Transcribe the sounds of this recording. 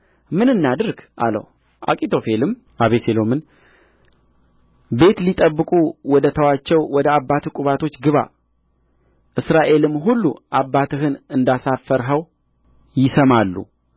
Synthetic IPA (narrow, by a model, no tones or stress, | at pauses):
mɨnɨnːad̪ɨɾɡʔa̰lə̰w | ʔa̰kʼit̪ʰo̞fe̞lɨm | ʔaβeselo̞mɨn | be̞t̪lit̪ʼəbːɨkʼuwɔd̪ət̪ʰəwat͡ʃːɛwwɔd̪əabːat̪kʷʼuβat̪ʰo̞t͡ʃːɡɨβa̰ | ʔɨsɾaʔe̞lɨmɦulːuʔabːat̪ʰɨɦɨnɨnd̪asafəɾɦəw | jɪsəmalːṵ